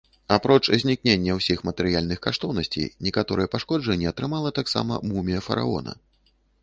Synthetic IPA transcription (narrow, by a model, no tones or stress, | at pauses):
apɾɔt͡ʂzʲnʲiknʲenʲːɐwsʲixmɐt̪ɛɾɨjalʲnɨxkaʂt̪ɔwnɐsʲt͡sʲḭjnʲikat̪ɔɾɨjɐpaʂkɔd͡ʐɐnʲːɛɐt̪ɾɨmalˠɐt̪aksa̰mɐ̰mumʲijɐfɐɾa̰ɔ̰nɐ̰